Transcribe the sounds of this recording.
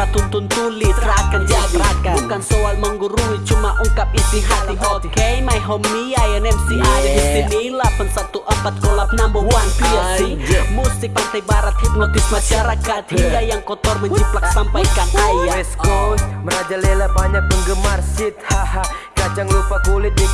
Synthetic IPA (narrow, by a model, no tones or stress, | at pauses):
at̪unt̪unt̪ulɪsrakand͡ʒaɡɾakabukansoalməŋɡuɾuit͡ʃumaʔuŋkapist̪ɾiɦat̪ibɔkejmajɦɔmiajənɛmsiabisɪilabənsat̪uʔəmpat̪̚kolapnambuwwaŋt̪iasimusɪk̚pant̪ajbaɾat̪̚hit̪not̪ɪf̚mad͡ʒaɾakat̪hiŋɡajaŋkɔt̪ɔrməɲt͡ʃiplak̚sampajkaŋajaɛsosməɾad͡ʒalelabaɲak̚bəŋɡəmarsɪt̪̚haɦa | kad͡ʒaŋlupakulɪt̪̚i